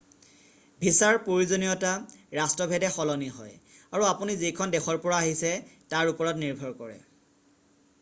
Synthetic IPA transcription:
bʱisaɹpɹoɹizonijɔtaɹastɹɔbʱɛdɛxɔlɔniɦɔ̰jaɹuapunizekʰɔndɛxʰɔɹpɔɹaːɦisɛtaɹupɔɹɔtniɹbʱɔɹkɔɹɛ̰

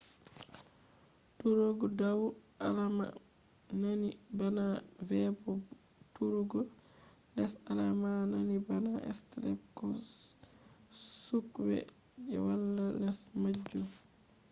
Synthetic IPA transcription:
tuɾɔɡɔdawu | alama̰ | nanibanavɛbɔ | tuɾuɡɔ | nɛsalamananibanaʔɛ̰stlɛkːɔ | sukwɛ̰ | d͡ʒɛ̰walːanɛsmad͡ʒːu

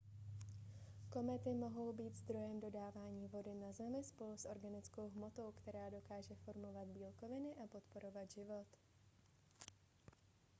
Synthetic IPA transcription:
ko̞mɛt̪ɪmo̞ɦo̞wbiːt̪zd̪ɾo̞jɛmdo̞daːvaːɲiːvo̞dɪnazɛmɪspo̞lusʔo̞ɾɡanɪt͡sko̞wɦmo̞t̪o̞wkt̪ɛɾaːdo̞kaːʒɛfo̞ɾmo̞vad̪biːlko̞vɪnɪʔapo̞t̪po̞ɾo̞vad̪ʒɪvo̞t̪

